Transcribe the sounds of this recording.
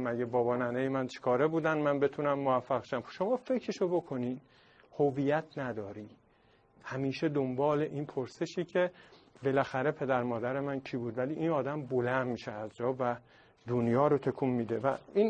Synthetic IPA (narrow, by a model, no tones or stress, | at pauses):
mæɟebɒːbɒːnænejemænt͡ʃʰe̥kʰɒːɾebuːd̪ænmænbe̞t̪ʰunæmːovæfːæɣʃæmʃo̞mɒːfe̞cʰɾeʃobo̞kʰo̞nid̪ | hoviːjæt̪ʰnæd̪ɒːɾiː | hæmiːʃe̞d̪ombɒːle̞ʔiːnpʰoɾse̞ʃiːcʰe̞be̞læxæɾe̞pʰe̞d̪æɾmɒːd̪æɾe̞mæncʰiːbuːd̪væliːʔiːnɒːd̪æmbolænd̪miʃeæzd͡ʒɒːvæ | d̪̥onjɒːɾot̪ʰe̞kʰummiːd̪evæ̰in